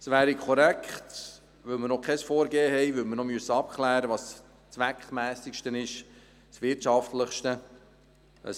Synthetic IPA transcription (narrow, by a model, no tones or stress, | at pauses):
sʋæːɾikʰɔɾɛkʰχt | ʋɵlməɾnɔkʰɛsfoːɾɡeːɦɛjʋɵlməɾnɔmyəsːəɑp̚kʰlæːɾəʋɑːs | t͡svʋækχmæːsikʃtənɪʃ | sʋɪtt͡ʃɑftləχʃtə | ə̰s